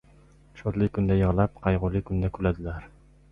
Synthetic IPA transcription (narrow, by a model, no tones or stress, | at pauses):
ʃot̪lˠɨkʲʰynd̪ɛjɑʁlˠɑp̚qʰɑjʁʊlˠikʰʲynd̪ɛkʲʰylɛd̪ɪlæɾ